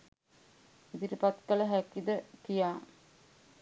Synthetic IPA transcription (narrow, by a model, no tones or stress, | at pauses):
id̪iʈəpat̪kələɦækid̪əkijaː